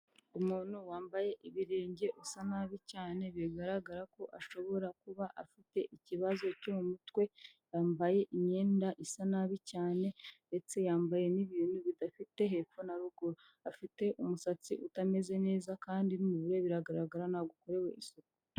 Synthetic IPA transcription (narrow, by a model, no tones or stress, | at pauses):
umuːn̥huwaːmbaje̞ʔiβiɾeːɲɟe̞ʔusanaβicaːne̞βiɡaɾaɡaɾako̞ʔaʃo̞βo̞ɾakuβaʔafite̞ʔiciβazo̞comumutwe̞ | jaːmbaje̞ʔiɲe̞ːndaʔisanaβicaːne̞nde̞t͡se̞jaːmbaje̞niβiːnuβidafite̞ɦe̞ːfonaɾuɡoɾo | afite̞ʔumusat͡siʔutame̞ze̞ne̞ːzakaːndinumuβiɾeβiɾaɡaɾaɡaɾanaɡuko̞ɾe̞we̞̰ʔisoko̥